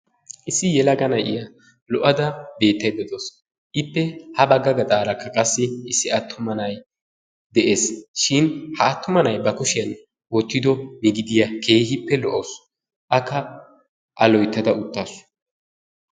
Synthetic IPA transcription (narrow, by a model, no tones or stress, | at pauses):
ʔɪsːɪjɛlɐɡɐnɐjʔɪjɐ | lɔʔɐd̪ɐbe̞ːt̪ːɐjd̪ɔd̪os | ʔɪpːɛhɐbɐɡɐɡɐt̪ʼaːɾɐkʰːɐkʼɐsːɪɪsːɪɐt̪ʰːʊmɐnɐj | d̪ɛʔe̞ːsʃɪnhɐːt̪ːʊmɐnɐjbɐkʊʃɪjɐn | wɔt̪ːɪd̪ɔmɪɡɪd̪ɪjɐkʰe̞ːhɪpːɛlɔʔɐws | ʔɐkːɐ | ʔɐlɔjt̪ːɐd̪ɐʊt̪ːaːsʊ̥